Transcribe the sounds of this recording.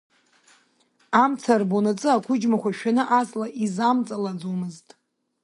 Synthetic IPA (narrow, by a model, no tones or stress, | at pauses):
amt͡sʰarbonat͡sʼɨakʷʰʊd͡ʒmakʷʰaʃᶣanɨʔazlaʔizamt͡sʼalad͡zumɨztʼ